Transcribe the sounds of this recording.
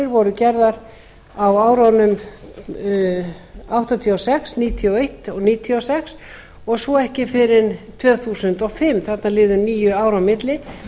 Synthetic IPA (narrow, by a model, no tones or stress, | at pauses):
ɪɾvɔɾʏcɛɾðaɾ | awaːwɾanʏm | awht̪at̪ʰiɔsɛksniːt̪ʰiɔejht̪ɔɣniːt̪ʰiɔsɛks | ɔɣsɔɛhcɪfɪɾɪnt̪ʰvœːθuːsʏnt̪ɔɣfɪmθat̪nalɪːðʏnniːjʏaːwɾawmɪt̪lɪ